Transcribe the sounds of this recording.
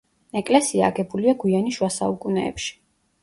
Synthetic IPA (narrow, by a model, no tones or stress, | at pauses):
ɛkʼlɛsiaːɡɛbuliaɡwianiʃwasaukʼunɛ̰ːpʃi̥